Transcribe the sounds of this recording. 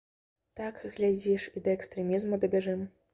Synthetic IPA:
t̪akɣlʲad͡zʲiʂid̪ɐɛkst̪ɾɛmʲizmud̪ɐbʲaʐɨm

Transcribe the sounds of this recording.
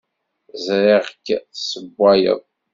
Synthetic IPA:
zɾiʁkːsəbːæjə̰ðˤ

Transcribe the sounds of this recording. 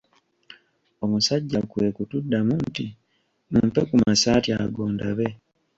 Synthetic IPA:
o̞musaɟːakwe̞kutudːamunti | mumpe̞kumasaːtja̰ɡoːndaβe̞

